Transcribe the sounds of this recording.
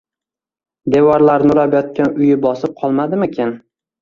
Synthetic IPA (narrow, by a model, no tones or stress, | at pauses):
d̪e̞wɒɾlaɾnʊɾabjɒt̪̚kʲanʊjɪbɒsɪp̚qʰɒlˠmad̪ɪmɪkʲʰen